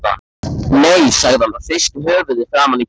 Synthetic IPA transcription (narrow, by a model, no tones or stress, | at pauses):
a̰ | nejsaɣðanaðfɪst̪ɦœːvʏðɪ̥θɾaːmani